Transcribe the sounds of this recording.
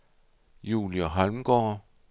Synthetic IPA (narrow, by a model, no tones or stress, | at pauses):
jṵːliɒɦalm̩ɡ̥ɒ̰ː